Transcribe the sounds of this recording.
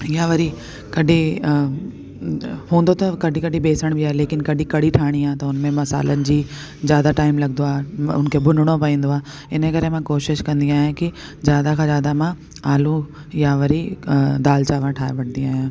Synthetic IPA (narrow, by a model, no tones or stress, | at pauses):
jaʋɐɾi | kɐɖʱi | hũːnd̪ot̪ɐkɐɖʱikɐɖʱibeːsəɽ̃bɪaːɦeleːkɪnkɐɗʱĩkɐɽ̤iʈʰaːɽ̃iaːt̪ɐʊnmẽmɐsa̰ːlənɪ̆d͡ʑiː | zjaːd̪aʈaːɪmlɐɡnd̪oaːeʊ̰nkʰeːbʱʊnɽ̃opɐĩːnd̪oaː | ɪnəkɐɾemãkoːʃɪʃkɐ̃nd̪iaːjãki | zjaːd̪akʰãːzjaːd̪amã | aːlũ | jaʋɐɾid̪aːlt͡ɕaːʋãʈʰaːeʋɐʈ̚ʰnd̪iaːɦjã